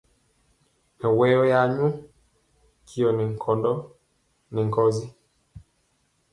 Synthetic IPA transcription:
mɛ˨wɛ˦jɔ˦ja˨ɲu˦ | kʰi˨ɔ˨nɛ˨ŋ˨kʰɔ˨ndɔ˦ | nɛ˨ŋ˨kɔ˨zi˦

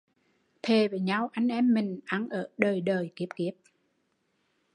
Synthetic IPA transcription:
t̪ʰe˨˩veː˨˩ɲa˧wʔa˧jŋ̟ʔɛ˧mːï˨˩ŋ̟ʔa˨˧˦nʔəː˧˩ɗəː˨˩jɗəː˨˩jki˦˥əp̚ki˦˥əp̚

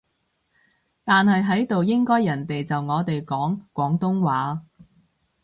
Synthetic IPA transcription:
t̪aː˨nɦɐ˨jɦɐ˨˥jt̪o˨wjɪ˥ŋkɔː˥jɐ˨˩nt̪e˨jt͡sɐ˨wŋɔː˨˧t̪e˨jkɔː˨˥ŋkʷɔː˨˥ŋt̪ʊ˥ŋwaː˨˥

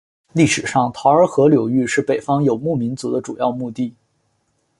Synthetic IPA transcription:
li˥˩ʂɻ̩˨˩ʂɑ˥˩ŋt̪ʰɑ˧˥ʊə˞˧˥xɤ˧˥ljo˨˩ʊy˥˧ʂɻ̩˥˩pe˨˩ɪfɑ˥ŋjo˨˩ʊmu˥˩mi˧˥nt͡su˧˥d̪ə˧ʈ͡ʂṵ˨˩jɑ̰˥˧ʊmu˥˧t̪i˥˩

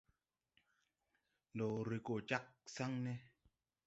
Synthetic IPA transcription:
do˨ɾi˨ko˨t͡ʃa˦k̚sa˦ŋnɛ˦

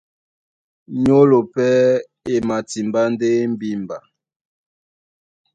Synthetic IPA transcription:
ɲo˦lo˨pɛ˦ | e˨ma˨ti˨mba˦n˦de˦m̩˦bi˦m˨ba˨

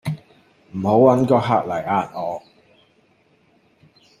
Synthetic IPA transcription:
m̩˨˩ho˨˥wwɐ˨˥nkɔː˧ɦaː˨˧k̚lɐ˨˩jaː˧n̚ɔː˨˧

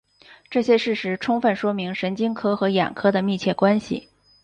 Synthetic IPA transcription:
ʈ͡ʂɤ˥˩ɕjɛ˥ʂɻ̩˥˩ʂɻ̩˧˥ʈ͡ʂʰʊ˥ŋfə˥˩nʂwɔ˥mi˧˥ŋʂə˧˥nt͡ɕi˥ŋkʰɤ˥xɤ˧˥jɛ̰˨˩nkʰɤ˥d̪ə˨mi˥˧t͡ɕʰjɛ˥˩kwa˥nɕḭ˨˩

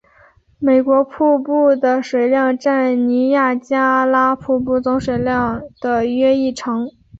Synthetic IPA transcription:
me˨˩ɪkwɔ˧˥pʰu˥˧pu˥˩d̪ə˩ʂwe˨˩ɪljɑ˥˧ŋʈ͡ʂa˥˩nni˧˥ja˥˩t͡ɕja˥la˥pʰu˥˧pu˥˩t͡sʊ˧˥ŋʂwe˨˩ɪljɑ˥˧ŋd̪̥ə˨˩ɥɛ˥i˥˩ʈ͡ʂʰɤ˧˥ŋ

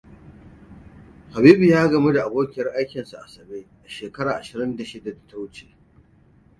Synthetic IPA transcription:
ha˨biː˦bu˨jaː˦ɡɐ˨me˦da˨ʔa˨boː˦kʲɪ˨jɐ˦rʔa˦jkʲɪ˨nsu˨ʔa̰˨sɐ˨beː˦ʔa˨ʃeː˨kɐ˦ɽaː˨ʔa˨ʃɪ˨ɾɪ˦nda˨ʃɪ˦da˨da˨ta˦wʊ˦t͡ʃeː˨

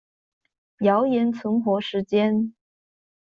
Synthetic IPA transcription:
jɑ˧˥ʊjɛ˧˥nt͡sʰʊ˧˥ŋxwɔ˧˥ʂɻ̩˧˥t͡ɕjɛ˥n

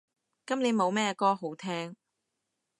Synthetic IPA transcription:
kɐ˥mne˨˧jmo˨˧wmɛː˥kɔː˥ɦo˨˥wt̪ʰɛː˥ŋ

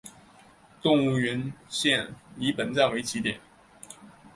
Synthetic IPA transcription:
t̪ʊ˥˧ŋu˥˩ɥɛ˧˥nɕjɛ˥˩nli˧˥pə˨˩nt͡sa˥˩nwe˧˥ɪt͡ɕʰi˧˥t̪jɛ̰˨˩˦n

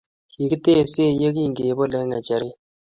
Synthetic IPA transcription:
ki˨ki˦te˦˨pse˦˨je˦ki˦˨ŋɡe˨bo˦lɛ˦ŋa˨t͡ʃa˨ɾɪ˦

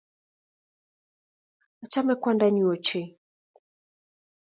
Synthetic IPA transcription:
a˨t͡ʃa˦mɛ˦kwa˦nda˦ɲi˨ɔ˨t͡ʃɛ˨

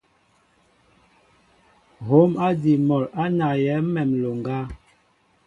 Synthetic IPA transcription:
ɦo˨˦ma˦di˨mɔ˨la˦na˨jɛ˨˦mɛ˨mlo˨ŋɡa˦

